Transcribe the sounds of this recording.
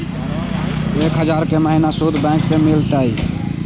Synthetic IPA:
ekɦəd͡ʒaɾkeməɦinasud̪ʱbɛ̃ksẽmilt̪əi

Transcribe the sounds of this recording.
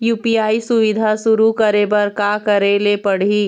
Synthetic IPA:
juːpiaːisʊʋɪd̪ʱasʊɾukɐɾebɐɾkaːkɐɾelepɐɽ̤iː

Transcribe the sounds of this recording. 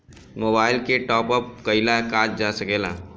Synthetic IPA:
moːbaːɪlkeʈɔːpəp̚kəɪlakaːt͡ʃd͡ʒasəkeːla̰ː

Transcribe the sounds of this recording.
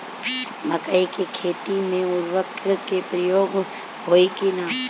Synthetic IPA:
məkəikekʰeːt̪imẽʊɾʋəkkepɾəjoːɡ | ɦoːikinaː

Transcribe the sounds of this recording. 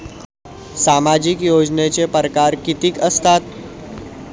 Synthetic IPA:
samad͡ʑikjod͡znet͡sepəɾəkaɾkit̪iːkəst̪at̪

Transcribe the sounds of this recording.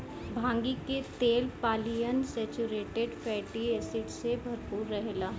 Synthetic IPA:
bʱãːŋɡiket̪eːlpaːlijənsɛːt͡ʃuɾeːʈeɖfɛːʈieːsɪʈsebʱɐɾpuːɾːɐɦelaː

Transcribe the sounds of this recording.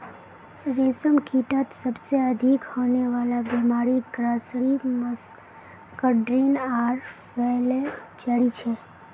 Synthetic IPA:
ɾesəmkiʈat̪səbseəd̪ʱikhoneʋalabɛmaɾiɡɾasɾiməs | kəɖɾinaɾ | ʋeled͡ʒəɽit͡ʃʰe

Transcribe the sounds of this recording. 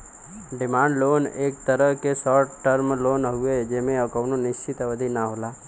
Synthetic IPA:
ɖɪmãːɳɖloːneːk̚t̪əɾəɦkesɔʈʈəɾmloːnɦued͡ʒemẽəkəʋnonɪʃt͡ʃɪt̪ʋəd̪ʱinaɦolaː

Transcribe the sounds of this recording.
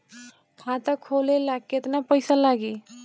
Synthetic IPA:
kʰãt̪akʰolelaɡket̪napəjsalaɡe

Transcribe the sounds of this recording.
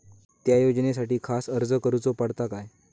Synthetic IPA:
t̪jajod͡ʑnes̬aʈiːkʰasəɾd͡zəkəɾut͡sopaɽt̪akaj

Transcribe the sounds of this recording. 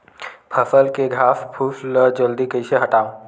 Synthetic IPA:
pʰəsəlkeɡʱaːspʰusləd͡ʒəld̪ikəɪseɦəʈaːõ

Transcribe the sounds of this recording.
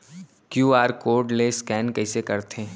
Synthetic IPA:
kjuːaːɾkoːɾɖleskɛːnkɐɪsekɐɾt̪ʰẽː

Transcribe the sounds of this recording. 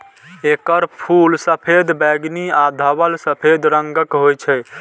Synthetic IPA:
ekəɾpʰulsəpʰed̪bɛɡniad̪ʱəbəlsəpʰed̪ɾəŋɡəkɦojt͡ʃʰɛ

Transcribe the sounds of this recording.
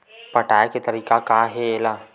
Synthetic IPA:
pɐʈaːeket̪ɐɾiːkakaɦeeːla

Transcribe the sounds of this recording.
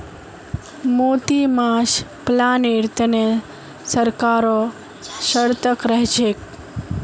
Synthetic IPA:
moːt̪imaʃplaniɾt̪əne | səɾkaɾo | ʃəɾt̪əkɾəɦʃek

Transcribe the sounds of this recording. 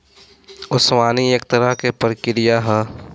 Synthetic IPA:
ʊswaːniek̚t̪əɾaɦkepəɾkɪɾɪjaɦɛː

